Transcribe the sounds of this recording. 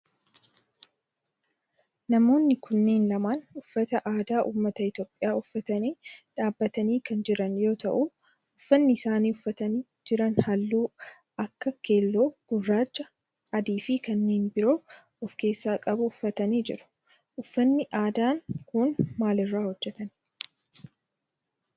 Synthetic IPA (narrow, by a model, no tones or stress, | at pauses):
nɐmo̞ːnːɪkʊnːe̞ːnlɐmaːnʊfːɐt̪ɐʔaːd̪aːʔuːmːɐt̪ɐɪt̪jo̞ːpʼːɪjaːʊfːɐt̪ɐniːᶑaːbːɐt̪ɐniːkɐnd͡ʒɪɾɐnjo̞ːt̪ɐ̰ʔu | ʊfːɐnːɪsaːniːʊfːɐt̪ɐniː | d͡ʒɪɾɐnhɐlːuː | ɐkːɐke̞ːlːoːɡ̥ʊrːaːt͡ʃːɐ | ɐd̪iːfɪkɐnːeːnbɪɾo̞ː | ɔfke̞ːsːaːkʼɐbʊʊfːɐt̪ɐniːd͡ʒɪɾʊ̥ | ʔʊfːɐnːɪʔaːd̪aːŋkʊnmaːlɪrːaːhɔd͡ʒːɛt̪ɐn